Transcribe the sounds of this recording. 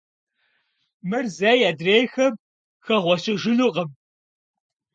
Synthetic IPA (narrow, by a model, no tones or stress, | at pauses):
mɨrzɐjaːdreːjxɐm | xɐʁʷɔɕɪʒɪnuqəm